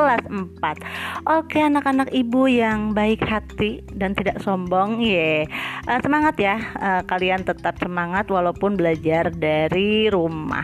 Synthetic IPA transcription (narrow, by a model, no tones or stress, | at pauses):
lasəmpat̪̚ʔokeanakanakibujaŋbaɪkhat̪i | dant̪idaʔsɔmbɔŋjɛʔəsəmaŋat̪jaəkaliant̪ət̪ap̚səmaŋat̪walaupʊnbəlad͡ʒardaɾiɾuma̰